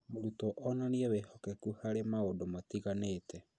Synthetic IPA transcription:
moɾutɔʔɔnaniɛwehɔkɛkuhaɾemaodomatiɣaneːtʰɛ

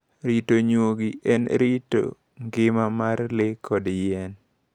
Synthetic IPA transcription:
ɾitoɲwoɡiʔɛnɾito̰ | ŋɡɪmamarlɪkʰɔdjɛn

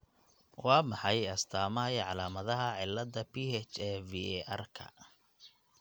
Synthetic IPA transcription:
wɑːmɑħɑjɐst̪ʰaːmɐɐjʕɑlaːmɐðɐɦɐʕɪlːɐðɐpiːhɛt͡ʃɛːviɛʔɐ̰rkʰɐ̰

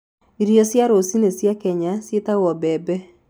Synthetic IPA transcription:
iɾjosjaɾosinesjakɛɲasjetawɔbɛbɛ

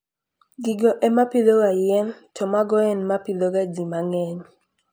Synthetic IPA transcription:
ɡiɡɔʔɛmapiloɡajɛntɔmaɡɔɛnmapidoɡad͡ʒimaŋɛɲ

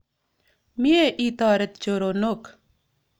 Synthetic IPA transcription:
mieʔiːt̪aːɾət̪̚t͡ʃoːɾoːnok

